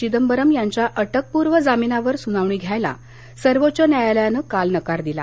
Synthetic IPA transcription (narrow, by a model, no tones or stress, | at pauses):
id̪əmbəɾəmjaɲt͡ɕjaʔəʈək̚puɾʋəd͡zaminaʋəɾsunaʋɳ̃iːɡʱjajla̰ | səɾʋot͡ɕənjajaljanəkalnəkaɾd̪ila̰